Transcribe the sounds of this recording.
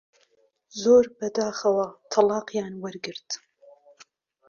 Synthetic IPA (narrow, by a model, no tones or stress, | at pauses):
zoːɾbɐd̪aːχɐwɐt̪ʰɐlɑːqjaːnwɐɾɡɨɾd̪̥